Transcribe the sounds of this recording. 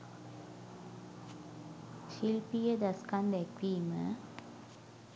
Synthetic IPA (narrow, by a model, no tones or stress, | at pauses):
ʃilpijəd̪ɐskand̪ɛkʋiːmə̰